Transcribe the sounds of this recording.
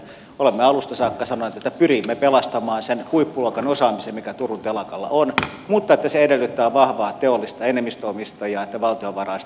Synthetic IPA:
olemːeɑlust̪ɑsɑːkːɑsɑnonet̪et̪ːæpyrimːepelɑst̪ɑmɑːnsenhuipːuluokɑnosɑːmisemmikæt̪urunt̪elɑkɑlːɑ̰on | mut̪ːɑet̪ːæseedelːyt̪ːæːʋɑhʋɑːt̪eolːist̪ɑenemːist̪øomist̪ɑjɑːet̪ːæʋɑlt̪ioʋɑrɑis

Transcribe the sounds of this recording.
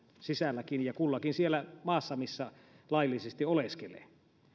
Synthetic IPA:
sisælːækinjɑkulːɑkinsielːæmɑːsːɑmisːæ | lɑˑijlːisest̪ioleskelḛː

